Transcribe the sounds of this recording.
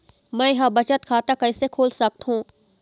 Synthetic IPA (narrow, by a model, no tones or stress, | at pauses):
mɛ̃ːɦãbɐt͡ʃət̪kʰaːt̪akɐɪsekʰoːlsɐk̚t̪ɦũː